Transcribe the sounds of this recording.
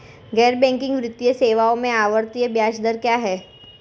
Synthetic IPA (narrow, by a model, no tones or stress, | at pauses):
ɡɛːɾbɛ̃ːŋkɪ̃ŋɡʋɾɪt̪ːijəseːʋaːõmẽaːʋəɾt̪ijəbjaːʃd̪əɾkjaːɦɛː